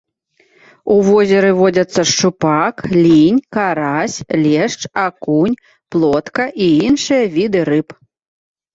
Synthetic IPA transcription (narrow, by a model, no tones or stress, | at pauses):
uvɔzʲɛɾɨvɔd͡zʲɐt̪sːɐʂt͡ʂupaklʲinʲkaɾasʲlʲɛʂt͡ʂakunʲ | plˠɔt̪kɐʔiinʂɨjɐvʲid̪ɨɾɨp